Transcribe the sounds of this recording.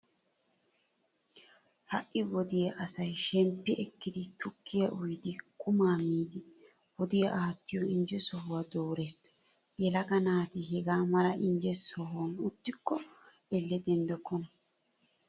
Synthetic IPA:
hɐʔːɪwɔd̪ɪjɐʔɐsɐjʃɛmpːɪʔɛkːɪd̪ɪt̪ʰʊkʰːɪjɐʔʊjd̪ɪkʼʊmaːmiːd̪ɪ | wɔd̪ɪjɐʔaːt̪ːɪjɔɪnd͡ʒɛsɔɦʊwad̪oːɾesjɛlɐɡɐnaːt̪ɪɦɛɡaːmɐɾɐʔɪnd͡ʒɛsɔɦnʊt̪ːɪkːɔ | ɛlːɛd̪ɛnd̪ɔkːɔnɐ

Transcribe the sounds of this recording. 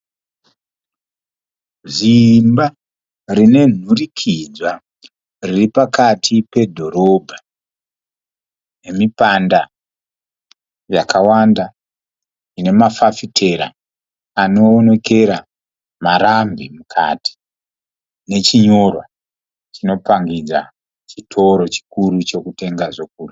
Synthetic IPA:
ʐimba | rine̞n̤urikʰid͡zwa | riripakatʰipe̞dʱo̞ɾo̞ːbʱa | ne̞mipanda | ja̰kawanda | ine̞mafafitʰe̞ɾa̰ | ano̞ːne̞ke̞ɾa | maɾambimukʰa̰ti̥ | ne̞t͡ʃiɲo̞rwa | t͡ʃino̞paŋɡid͡za̰ | t͡ʃitʰo̞ɾo̞t͡ʃi̥kuɾut͡ʃo̞kute̞ŋɡaʐok̚uːru

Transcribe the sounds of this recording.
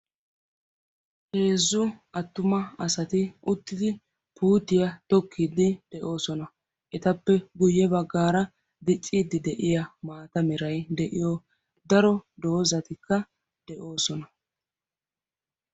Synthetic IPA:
he̞ːzːʊʔɐt̪ːʊmɐɐsɐt̪ɪʊt̪ːɪd̪ɪ | puːt̪ːɪjɐt̪ɔkʰːɪd̪ːɪd̪̥ɛʔo̞ːsɔnɐ | ʔɛt̪ɐpːɛɡʊjːɛbɐɡːaːɾɐ | d̪ɪt͡ʃʼːiːd̪ːɪd̪ɛʔɪjɐmaːt̪ɐmɪɾɐjd̪ɛʔɪjɔ | d̪ɐɾɔd̪o̞ːzɐt̪ɪkːɐ | d̪̥ɛʔo̞ːsɔnɐ

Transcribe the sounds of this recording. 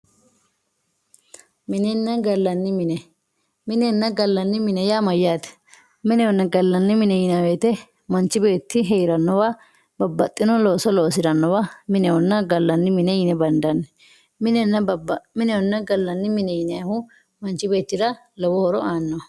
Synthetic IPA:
mɪnɛnːɐɡɐlːɐnːɪmɪnɛ | mɪnɛnːɐɡɐlːɐnːɪmɪnɛjamɐjːaːt̪ɛ̥ | mɪnɛwɔnːɐɡɐlːɐnːɪmɪnɛjɪnɐweːt̪ɛ | mɐnt͡ʃːɪbe̞ːt̪ːɪɦeɾɐnːɔwɐ | bɐbːɐt̪ʼːɪnɔloːsɔloːs̬ɪɾɐnːɔwɐmɪnɛwɔnːɐɡɐlːɐnːɪmɪnɛjɪnɛbɐnd̪ɐnːɛ | mɪnɛnɐmɪnɛɔnːɐɡɐlːɐnːɪmɪnɛjɪnɐhʊ | mɐnt͡ʃːɪbe̞ːt̪ːɪɾɐ | lɔwɔhɔɾɔaːnːɔ

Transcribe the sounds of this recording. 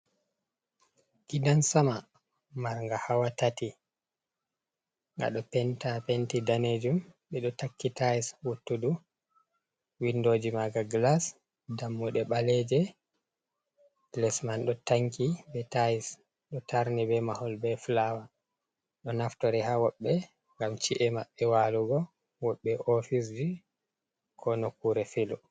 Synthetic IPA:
kidansama | maɾŋɡahawatati | ŋɡa̰ɗɔpɛntapentidaned͡ʒumɓɛɗɔtakːitaiswutːudu | windoːd͡ʒimaɡaɡlas | damːuɗɛɓalɛd͡ʒɛ | lɛsmanɗɔtaŋkʰibɛtais | ɗɔtʰaɾnibɛmahɔlbɛflawa | ɗɔnaftɔɾɛhawɔɓːɛ | ŋɡamt͡ʃiʔɛmaɓːɛwaluɡɔ | wɔɓːɛʔɔfisd͡ʒi | kʰɔnɔkuɾɛfilɔ

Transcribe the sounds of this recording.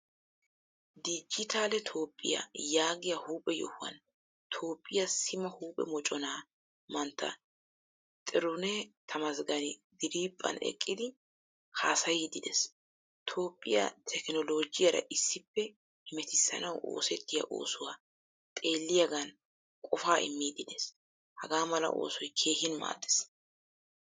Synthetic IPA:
d̪id͡ʒɪt̪ʰaːlɛt̪ʰo̞ːpʼːɪja̰jaːɡɪjɐhuːpʼɛjɔ̰hʊwɐ̰n | t̪ʰo̞ːpʼːɪjasɪmɐhuːpʼɛ̰mɔt͡ʃʼɔnaː | mɐnt̪ʰːɐ̰ | t̪ʼɪɾʊnɛt̪ʰɐmɐzɡɐnɪd̪ɪɾiːpʼːɐ̰nɛ̰kʼːɪd̪ɪ | hʰaːsɐjid̪ɪd̪ɛs | t̪ʰo̞ːpʼːɪjɐ̰t̪ʰɛknɔlo̞ːd͡ʒɪjɐɾɐ̰ʔɪsːɪpːɛ | hɪmɛt̪ɪsːɐ̰nɐwo̞̰ːsɛt̪ːɪjɐ̰ʔo̞̰ːsʊwaː | t̪ʼe̞ːlːɪjɐɡɐn | kʼɔfaːʔɪ̰mːiːd̪ɪd̪ɛs | hɐɡaːmɐlɐ̰ʔo̞̰ːsɔjkʰe̞ːhɪnma̰ːd̪ɛ̥s

